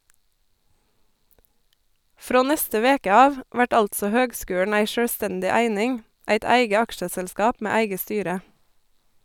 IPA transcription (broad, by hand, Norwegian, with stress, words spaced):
ˈfɾoː ˈnɛstə ˈʋeːkə ˈɑːʋ ˈʋæʈ ˈɑltsɔ ˈhøːɡˌskʉːɳ̩ ˈæɪ ʃœɽˈstɛndɪ ˈæɪnɪŋ ˈæɪt ˈæɪɡə ˈɑkʃəsɛlˌskɑːp ˈmeː ˈæɪɡə ˈstyːɾə